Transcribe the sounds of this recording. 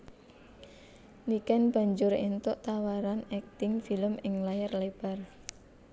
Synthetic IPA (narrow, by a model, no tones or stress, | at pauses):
nikɛnb̥a̤ɲd͡ʒʊɾent̪ʊʔt̪awaɾanɛk̚t̪ɪŋfiləmɪŋlajərleb̥a̤r